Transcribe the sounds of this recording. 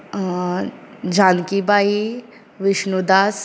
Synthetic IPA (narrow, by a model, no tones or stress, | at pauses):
d͡ʑankibai | ʋiɕnud̪as